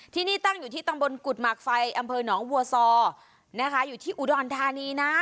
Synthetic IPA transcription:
t̪ʰiː˥˩niː˥˩t̪a˥˩ŋjuː˨˩t̪ʰiː˥˩t̪a˧mbo˧nku˨˩t̪̚ma˨˩k̚fa˧jʔa˧mpʰɤː˧nɔː˩˦ŋwu˧ɐsɔː˧ | na˦˥kʰa˦˥juː˨˩t̪ʰiː˥˩ʔu˨˩dɔː˧nt̪ʰaː˧niː˧na˦˥

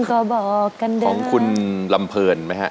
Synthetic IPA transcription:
kʰɔː˨˩˦bɔː˨˩kːa˧ndaɔː˩˦ŋkʰu˧nla˧mpʰɤː˧nma˦˥jkʰa˦˥ʔ

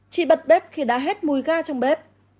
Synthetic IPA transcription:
t͡ɕḭ˧˨ɓə˨˩t̚ɓɛ˦˥p̚xi˨˩ɗa̰ː˧˥ɦe˦˥t̚mu˨˩jɣaː˧t͡ɕɔ˧wŋ͡mɓɛ˦˥p̚

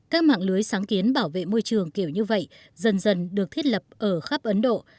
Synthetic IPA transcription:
kaː˦˥k̚ma̰ː˧˨ŋlɨ˨˦əjsaː˨˦ŋki˨˦ənɓaː˧˩wvḛ˧˨mo˧jt͡ɕɨ˨˩əŋki˧˩əwɲɨ˧və̰˧˨j | zə˨˩nzə˨˩nɗɨ˨˩ək̚t̪ʰi˦˥t̚lə˨˩p̚ʔəː˧˩xaː˦˥p̚ʔə˨˦nɗo̰˧˨

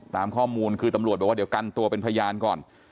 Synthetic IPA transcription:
saː˩˦mkʰɔː˥˩muː˧nkʰɯː˧t̪a˧mɾu˨˩t̪̚ɛː˨˩wdi˩˦wka˧nt̪u˧ɐpe˧npʰja˧jaː˧nkɔː˨˩n

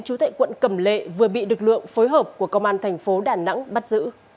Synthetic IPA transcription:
ŋt͡ɕu˨˦t̪a̰ː˧˨jkwə̰˧˨nkə˧˩mlḛ˧˨vɨ˨˩əɓḭ˧˨lɨ˨˩k̚lɨ̰˧˨əŋfo˨˦jɦəː˨˩p̚ku˧˩əkə˧wŋ͡mʔaː˧nt̪ʰɛ˨˩jŋ̟fo˨˦ɗaː˨˩na̰˧˥ŋɓa˦˥t̚zɨ̰˧˥

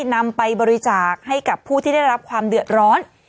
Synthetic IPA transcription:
na˧mpa˧jbɔː˧ɾi˧t͡ɕaː˨˩k̚ha˥˩jka˨˩pʰːuː˥˩t̪ʰiː˥˩da˥˩jɾa˦˥p̚kʰwaː˧mdɯ˨˩ət̪̚ɾɔː˦˥n

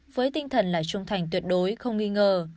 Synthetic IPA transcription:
vəː˨˦jt̪i˧ŋ̟t̪ʰə˨˩nlaː˨˩jt͡ɕʊ˧ŋ͡mt̪ʰa˨˩jŋ̟t̪wi˨˩ət̚ɗo˨˦jxə˧wŋ͡mŋi˧ŋəː˧˩

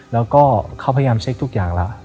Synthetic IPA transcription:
lɛː˦˥wkɔː˥˩kʰa˥˩pʰa˧ja˧jaː˧mt͡ɕʰe˦˥k̚t̪u˦˥k̚jaː˨˩ŋla˦˥ʔ

